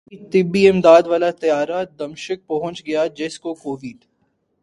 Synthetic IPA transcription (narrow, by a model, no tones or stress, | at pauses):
it̪ɪbːiɪmd̪aːd̪ʋaːlat̪ɐjaːɾad̪ɐmʃək̚pɐɦʊ̃t͡ʃɡɐjad͡ʒɪskokoːʋɪɖ̪